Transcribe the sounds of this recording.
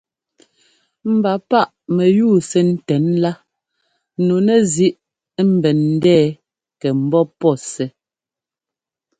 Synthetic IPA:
m̩˨ba˨pa˦˨ʔmɛ˨juː˦˨sɛ˦n̩˦tɛ˨˦nla˦ | no˨nɛ˨zi˦ʔ | m̩˨bɛ˨n̩˦dɛː˦ | kɛ˨m̩˨˦bɔ˦pɔ˦˨sɛ˨

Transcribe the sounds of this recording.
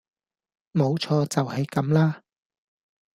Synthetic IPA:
mo˨˧wt͡ʃʰɔː˧t͡sɐ˨whɐ˨jkɐ˨˧˥mlaː˥

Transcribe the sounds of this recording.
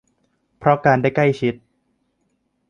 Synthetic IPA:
pʰɾɔ˦˥kaː˧ndaː˥˩jkla˥˩jt͡ɕʰi˦˥t̪̚

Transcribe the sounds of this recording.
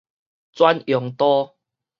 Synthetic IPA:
t͡swa˦njɔ˨˩ŋt̪ɔ˦

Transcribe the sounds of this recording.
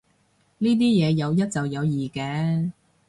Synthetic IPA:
niː˥t̪̬iː˥jɛː˨˧jɐ˨˧wjɐ˥t̚t͡sɐ˨wjɐ˨˧wjiː˨kɛː˨˧˥

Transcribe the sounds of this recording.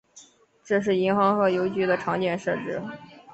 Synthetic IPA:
ʈ͡ʂɤ˥˧ʂ̬ɻ̩˥˩i˧˥nxɑ˧˥ŋxɤ˧˥jo˧˥ʊt͡ɕy˧˥d̪ə˧ʈ͡ʂʰɑ˧˥ŋt͡ɕjɛ˥˩nʂɤ˥˧ʈ͡ʂɻ̩˥˩

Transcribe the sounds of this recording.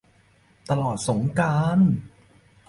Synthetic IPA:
t̪a˧lɔː˨˩t̪̚so˩˦ŋkaː˧n

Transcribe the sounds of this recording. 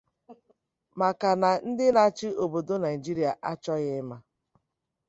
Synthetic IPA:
ma˨ka˨na˨n̩˦dɪ˦na˨t͡ʃɪ˦ʔo˨bo˨do˦na˨i˨d͡ʒi˦ɾi˦˨a˨ʔa˦t͡ʃɔ˦ɣɪ˦ma˦

